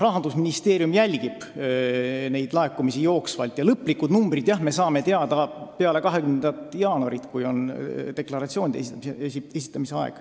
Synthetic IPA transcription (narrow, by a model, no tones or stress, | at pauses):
rɑɦɑnd̪usminist̪e̞ːɾijumjælʲɡib̥ | ne̞jd̪̥lɑe̞kːˑumisijo̞ːksvɑlt̪jɑlɤpːˑlikːud̪numbrid̪̥jɑhme̞sɑːme̞t̪eɑd̪̥ɑpe̞ɑle̞kɑɦe̞kymnend̪ɑt̪ːˑjɑːnuɑɾit̪kujo̞nd̪̥e̞klɑɾɑt̪sio̞ːnid̪eeeiesi̥t̪ːˑɑmiseɑḛɡ̥